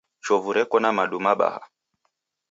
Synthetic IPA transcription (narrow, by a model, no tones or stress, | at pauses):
t͡ʃɔvuɾɛkɔnamaɗumaɓa̰ha̰